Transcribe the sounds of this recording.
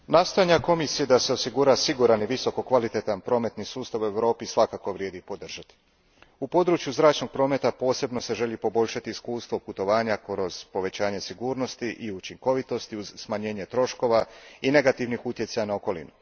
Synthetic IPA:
naːst̪o̞jaɲako̞misije̞d̪ase̞osiɡuɾasiɡuɾaniʋiso̞ko̞kʋalit̪e̞t̪anpɾo̞ːme̞t̪nisuːst̪aʋue̞ʋɾo̞ːpisʋakako̞ʋɾjeːd̪ipo̞d̪r̩ʒ̥at̪i̥ | upo̞d̪ɾut͡ʃjuzɾaːt͡ʃno̞ɡ̚pɾo̞ːme̞t̪apo̞ːse̞bno̞se̞ʒeʎipo̞bo̞ʎʲʃat̪iːskuːst̪ʋo̞put̪o̞ʋaːɲakɾo̞z̥po̞ʋe̞t͡ɕaːɲe̞siɡuːɾno̞st̪iʔiut͡ʃiŋko̞ʋit̪o̞st̪iuzsmaɲe̞ːɲe̞t̪ɾo̞ʃko̞ʋaine̞ɡat̪iʋnixut̪je̞t̪sajanaoko̞lḭnu

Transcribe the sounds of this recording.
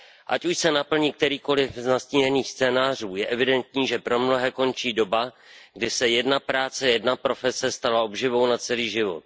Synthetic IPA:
ʔa̰cuʃsɛnapl̩ɲiːk̚t̪ɛɾiːko̞lɪfznasciɲɛniːxst͡sɛːnaːr̝uːjɛʔɛvɪdɛnt̪̚ɲiːʒɛpɾo̞mno̞ɦɛːko̞nt͡ʃiːdo̞ba | ɡdɪsɛjɛdnapɾaːt͡sɛjɛdnapɾo̞fɛsɛst̪alao̞bʒɪvo̞wnat͡sɛliːʒɪvo̞̰t̪̚

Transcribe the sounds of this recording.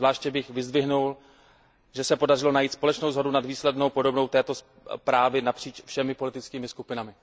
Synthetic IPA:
zvlaːʃcɛbɪxvɪzd̪vɪɦnul | ʒɛsɛpo̞darɪlo̞najiːt̪spo̞lɛt͡ʃnowzɦo̞dunad̪viːslɛdno̞wpo̞do̞bno̞wt̪ɛːt̪o̞s | pɾaːvɪnapr̝̥iːt͡ʃfʃɛmɪpo̞lɪt̪ɪt͡skiːmɪskupɪnamɪ

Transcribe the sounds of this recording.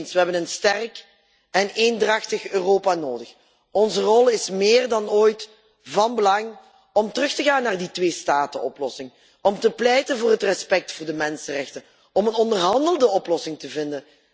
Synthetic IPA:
nsʋəɦɛbənənstɛrk | ɛneːndrɑxtəxøːroːpaːnoːdəx | ɔnzərɔlˠɪsmɪːrdɑnoːjt | vɑnbəlɑŋ | ɔmtərɵxtəɣaːnːaːrditʋeːstaːtənɔplɔsɪŋ | ɔmtəplɛjtənvʊːrɦətrɛspɛk̚tfʊːrdəmɛnsərɛxtən | ɔmənɔndərɦɑndəlˠdəɔplɔsɪŋtəvɪndən

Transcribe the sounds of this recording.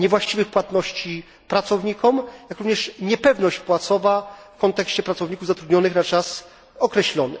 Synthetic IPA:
ɲɛvwaɕt͡ɕivɘxpwat̪nɔɕt͡ɕi | pɾat̪sɔvɲikɔmjakɾuvɲɛʂɲɛpɛvnɔɕt͡ɕpwat̪sɔvafkɔnt̪ɛkɕt͡ɕɛpɾat̪sɔvɲikuvzat̪ɾud̪ɲɔnɘxnat͡ʂas | ɔkɾɛɕlɔnɘ̰

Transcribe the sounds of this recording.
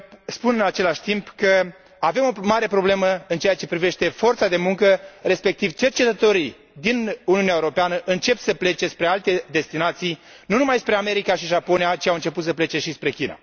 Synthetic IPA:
spunɨnat͡ʃe̞laʃʲt̪impkə | ave̞mo̞maɾe̞pɾo̞ble̞məɨnt͡ʃe̞jat͡ʃe̞pɾive̞ʃt̪e̞fo̞rt̪sad̪e̞muŋkəre̞spe̞k̚t̪ivt͡ʃe̞rt͡ʃe̞t̪ət̪o̞ɾi | d̪inuniuneaeuɾo̞peanəʔɨnt͡ʃe̞psəple̞t͡ʃe̞spɾe̞alt̪e̞d̪e̞st̪inat̪sij | nunumajspɾe̞ame̞ɾikaʃiʒapo̞nijat͡ʃiawɨnt͡ʃe̞put̪səple̞t͡ʃe̞ʃispɾe̞kʲina̰

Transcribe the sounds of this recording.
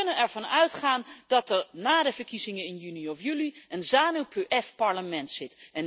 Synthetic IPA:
nənɛɹv̥ɑnœɥtχaːnd̥ɑtɛɹnaːdəvəɹkizɪŋənɪnjyniɔfjyliənzaːnywpʰøʔɛfpɑɹləmɛntsɪtɛn

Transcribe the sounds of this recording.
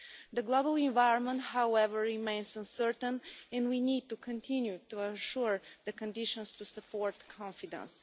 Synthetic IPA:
d̪əɡlobəlˠɪ̃nvaɪɹə̃nmə̃nthawɛvəɹːimẽɪ̃nsə̃nsəɹt̪ə̃nɛ̃ndwinid̚t̪ukʰə̃nt̪ʰĩnjut̪uəʃuɹd̪əkə̃ndɪʃə̃nst̪usəpʰɔɹt̪kʰɑ̃nfid̪ə̰̃ns

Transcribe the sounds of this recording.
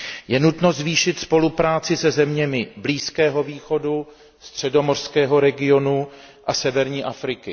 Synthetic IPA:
jɛnut̪no̞zviːʃɪt̪spo̞lupɾaːt͡sɪsɛzɛmɲɛmɪbliːskɛːɦo̞viːxo̞du | st̪r̝̥ɛdo̞morskɛːɦo̞ɾɛɡɪo̞nu | ʔasɛvɛɾɲiːʔafɾɪkɪ

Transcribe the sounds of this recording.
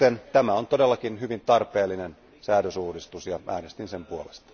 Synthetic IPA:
ent̪æmæont̪odelːɑkinhyʋint̪ɑrpeːlːinen | sæːdøsuːdist̪usjɑʔæ̰ːnest̪insempuolest̪ɑ̥

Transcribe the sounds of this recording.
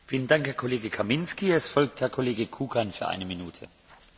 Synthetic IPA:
fiːləndaŋkhɛːɐkʰoleːɡəkʰamɪnskiɛsfɔlk̚thɛːɐkʰoleːɡəkʰuːkʰanfyːɐʔa̰ɪnəminuːtʰə̰

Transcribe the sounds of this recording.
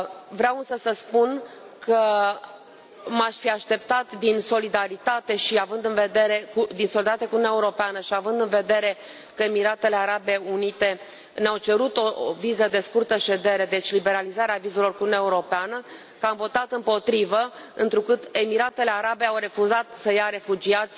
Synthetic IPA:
vɾeawɨnsəsəspun | kʰə | maʃfiaʃt̪e̞p̚t̪at̪d̪inso̞lid̪aɾit̪at̪e̞ʃiavɨnd̪ɨnve̞d̪e̞ɾe̞kud̪inso̞lit̪at̪eakununaeuɾo̞peanəʃiavɨnd̪ɨnve̞d̪e̞ɾe̞ | kəemiɾat̪e̞le̞aɾabe̞unit̪e̞ | neawt͡ʃe̞ɾut̪o̞vizəd̪e̞skurt̪əʃe̞d̪e̞ɾe̞d̪e̞t͡ʃʲlibe̞ɾalizaɾeavizelo̞rkununeaeuɾo̞peanə | kəamvo̞t̪at̪ɨmpo̞t̪ɾivəɨnt̪ɾukɨt̪e̞miɾat̪e̞le̞aɾabe̞awɾe̞fuzat̪səjaɾe̞fud͡ʒiat̪sʲ

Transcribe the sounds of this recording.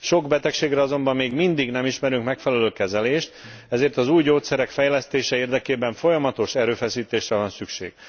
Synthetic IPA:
ʃo̞ɡbɛt̪ɛkʃeːɡrɛɒzo̞mbɒmːeːɡmind̪iɡnɛmiʃmɛɾyŋkmɛkfɛlɛløːkɛzɛleːʃt̪ɛzeːrt̪ɒzuːjɟoːt̪sɛɾɛkfɛjlɛst̪eːʃɛeːrd̪ɛkeːbɛɱfo̞jɒmɒt̪o̞ʃɛɾøːfɛsiːt̪eːʃrɛvɒnsykʃḛːɡ̥

